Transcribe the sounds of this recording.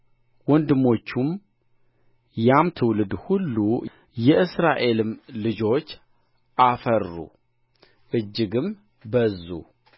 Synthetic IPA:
wɔnd̪ɨmo̞t͡ʃːum | jamt̪ʰɨwlɨd̪hulːu | jɛʔɨsɾaʔe̞lɨmlɨd͡ʒo̞t͡ʃː | ʔafəɾːṵ | ʔɨd͡ʒːɨɡɨm | bəzːṵ

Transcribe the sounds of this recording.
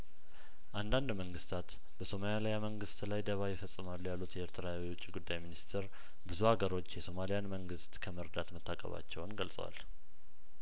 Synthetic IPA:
ʔand̪and̪məŋɡɨst̪ʰat̪ | b̥əso̞maljlijaməŋɡɨst̪lajd̪əβajɪfəsʼːɨmalːujalːut̪jɛeɾt̪ʰəɾawiwʊt͡ʃʼːiɡud̪ːajminist̪ʰeɾ | bɨzuhaɡəɾo̞t͡ʃːjɛso̞malijanməŋɡɨst̪kʰəməɾd̪at̪mət̪ʰːakʼə̰βa̰t͡ʃːɛwnɡəlsʼə̰wa̰l

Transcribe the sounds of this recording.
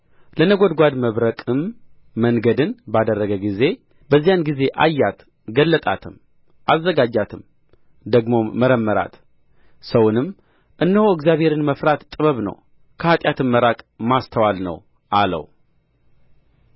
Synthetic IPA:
lənəɡo̞d̪ɡʷad̪məβɾəkʼɨmː | əŋɡəd̪ɨnbad̪ərːəɡəɡize̞ | bəzːijanɡize̞ʔajːat̪ | ɡəlːət̪ʼa̰t̪ʰɨm | ʔazːəɡad͡ʒat̪ʰɨm | d̪əɡmo̞ːəɾəmːəɾa̰t̪ | səwnɨm | ʔɨnːəhoɪɡzjaβhe̞ɾɨnməfɾat̪t̪ʼɨβəβnə̰w | kʰəhat̪ʼjat̪ʰɨnməɾakʼmast̪ʰəwalnə̰w | ʔalə̰w

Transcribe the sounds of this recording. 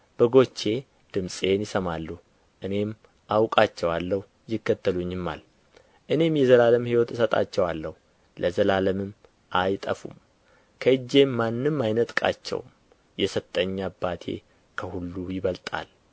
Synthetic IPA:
b̥əɡo̞t͡ʃːe̞ | d̪̥ɨmsʼe̞njɪsəmalːu | ʔɨne̞m | ʔawkʼat͡ʃːɛwalːəhu | jɪkːət̪ʰːəluɲːɪmːa̰l | ʔɨne̞mjɛzəlaləmhiwot̪ɨsət̪ʼa̰t͡ʃːɛwalːəhu | lʔəzəlaləmɨm | ʔajt̪ʼə̰fṵm | kʰəɨd͡ʒːe̞mːanːɨmːajnət̪ʼkʼa̰t͡ʃːɛ̰wm | jɛsət̪ʼːəɲːabːat̪ʰe̞̰ | kʰəhulːujɪβəlt̪ʼa̰l

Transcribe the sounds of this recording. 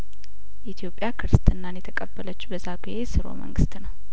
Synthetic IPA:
ʔit̪ʰjo̞pʼjakʰɨɾɨst̪ʰʼɨnːanjɛt̪ʰəkʼəbːələt͡ʃːbəzaɡejesɨɾo̞̰mə̰ŋɡɨst̪nəw

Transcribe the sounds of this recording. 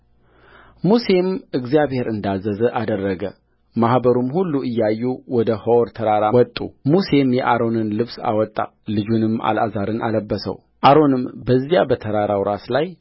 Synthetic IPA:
muse̞mɨɡzijaβhe̞ɾɨnd̪azːəzəʔad̪ərːəɡə | mahbəɾumhulːuʔɨjːajːuwɔd̪əhəwɔɾt̪ʰəɾaɾawɔt̪ʼːṵmuse̞mjɛʔaɾo̞nɨnlɨβsa̰wɔt̪ʼːa̰ | lɨd͡ʒunɨmːʔa̰la̰zaɾɨnʔa̰ləbːəsə̰w | ʔaɾo̞nɨmbəzːijabət̪ʰəɾaɾawɾaslaj

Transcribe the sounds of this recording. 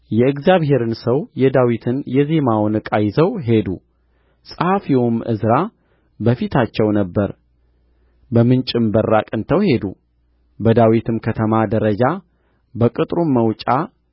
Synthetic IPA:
jɛɨkzjaβhe̞ɾɨnsəwjɛd̪awit̪ʰɨnjɛzemawnɨkʼajzəwɦe̞d̪ṵ | sʼɨhafiwomʔɨ̰zɾa | bəfit̪ʰat͡ʃːɛwnəbːəɾ | bəmɨnt͡ʃʼɪmbərːa̰kʼɨnt̪ʰəwhe̞d̪ṵ | bəd̪awit̪ʰɨmkʰət̪ʰəmad̪əɾəd͡ʒa | bəkʼɨt̪ʼɾumːəwt͡ʃʼa

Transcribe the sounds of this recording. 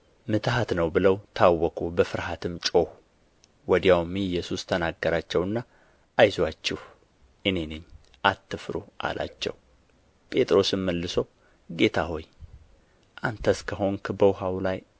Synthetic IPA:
mɨt̪ʰhat̪nəwbɨləwt̪ʰawːɔkʰʼobəfɨɾɦat̪ʰɨmt͡ʃʼo̞h | wɔd̪jawmijɛsust̪ʰənaɡːəɾat͡ʃːɛwɨnːa | ʔajzwat͡ʃːɪh | ʔɨne̞nɨɲː | ʔat̪ʰːɨfɾo̰ʔa̰lʔa̰t͡ʃːɛ̰w | pʼe̞t̪ʼɾo̞sɨmməlːɨsow | ɡe̞t̪ʰaho̞j | ʔant̪ʰəskʰəɦo̞nkʰbəwɦawlaj

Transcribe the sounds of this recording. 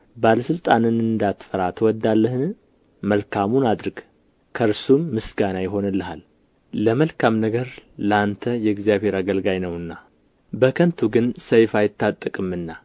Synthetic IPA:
baləsɨlt̪ʼanɨnɨnd̪at̪fəɾat̪ʰəwɔd̪ːalːəhɨn | məlkʰamunad̪ɾɨɡ̥ | kʰəɾsumːɨsɡanajɪɦo̞nəlːəɦal | ləməlkʰamnəɡəɾləant̪ʰəjɛɡzjaβhe̞ɾaɡəlɡajnəwɨnːa | bəkʰənt̪ʰuɡɨnsəjfajɪt̪ːat̪ʼːəkʼɨmɨnːa

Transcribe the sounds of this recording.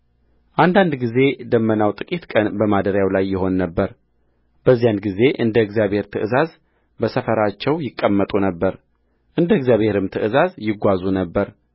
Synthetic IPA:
ʔand̪and̪ɡize̞d̪əmːənawt̪ʼɨkʼit̪kʼənbəmad̪əɾjawlajːɪɦo̞nːəbːəɾ | bəzːijanɡize̞ʔɨnd̪əɨɡzijabʱhe̞ɾt̪ʰɨʔɨzaz | bəsəfəɾat͡ʃːɛwjɪkʼːəmːət̪ʼunəbːəɾ | ʔɨnd̪əɡzjaβhe̞ɾɨmt̪ʰɨʔɨzazjɪɡʷazunəbːəɾ

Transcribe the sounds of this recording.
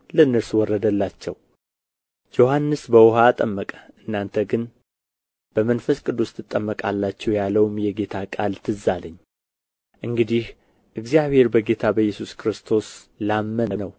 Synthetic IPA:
lənːəɾswɔrːəd̪əlːat͡ʃːɛw | d͡ʒo̞hanːɨsbəwʊɦat̪ʼəmːəkʼə̥ʔɨnːant̪ʰəɡɨn | b̥əmənfəskʼɨd̪ːust̪ʰɨt̪ʼːəmːəkʼalːat͡ʃːɛwjalːəwmjɛɡe̞t̪ʰakʼalt̪ʰɨzaləɲː | ʔɨŋɡɨd̪ih | ʔɨɡzijaβhe̞ɾbəɡe̞t̪ʰabəjːɛsuskɨɾɨst̪ʰo̞slamːənənəw

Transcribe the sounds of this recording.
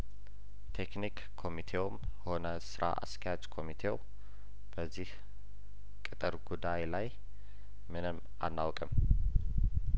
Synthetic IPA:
t̪ʰe̞knikʰːo̞mit̪ʰe̞wmho̞nəsɨɾʔa̰ʔa̰sk̪ʰɛjat͡ʃʼkʰo̞mit̪ʰe̞w | b̥əzːih | kʼɨt̪ʼɨɾɡud̪ajlaj | mɨnɨmː | a̰nːawkʼəm

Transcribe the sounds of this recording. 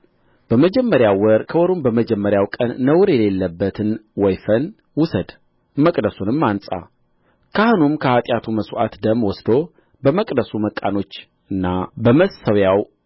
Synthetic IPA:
b̥əməd͡ʒɛmːəɾjawwəɾkʰəwɔɾumbəməd͡ʒɛmːəɾjawkʼənːəwɾjɛle̞lːəbːət̪ʰɨnwɔjfən | wʊsəd̪ | məkʼd̪əsunɨmːansʼa̰ | kʰahɨnumkʰəhat̪ʼjat̪ʰuməswʔa̰t̪d̪əmwɔsd̪o | bəməkʼd̪əsuməkʼːa̰no̞t͡ʃː | ɨnːabəməsəwjaw

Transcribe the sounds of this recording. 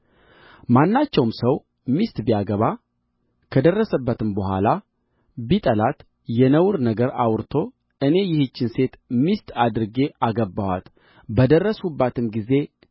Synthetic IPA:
manːat͡ʃːɛwmsəw | mist̪bijaɡəβa | kʰəd̪ərːəsəbːət̪ɨmbəhʷala | bit̪ʼəlat̪ | jɛnəwɾnəɡəɾawɾt̪ʰo̞ | ʔɨne̞jɪhɨt͡ʃːɪnse̞t̪mist̪ad̪ɨɾɨɡe̞aɡəbawa̰t̪ | bəd̪ərːəsubːat̪ɨmɡize̞

